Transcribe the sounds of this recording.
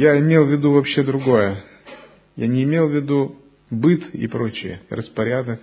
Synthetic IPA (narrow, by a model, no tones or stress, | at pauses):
jaɪmʲe̞lˠvʲɪd̪uvɐpɕːe̞d̪ɾʊɡo̞jə | janʲɪːmʲelˠvʲɪd̪u | bɨt̪ɪ̰pɾo̞t͡ɕɪ̰jə̰rəspɐɾʲad̪ək